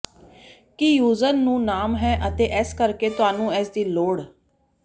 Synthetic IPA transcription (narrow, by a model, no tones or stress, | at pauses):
kijuːzənːũːnaːmɦɛːʔət̪eːʔɛːskəɾkeːt̪ʊɦaːnũːɛːsd̪iːloːɽ